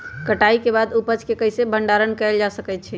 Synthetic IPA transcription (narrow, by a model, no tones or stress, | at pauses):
kəʈaikebad̪upət͡ʃkekəɦjsebʱəɳɖaɾənkɛld͡ʒasəkɛjt̪̚t͡ʃʰɛ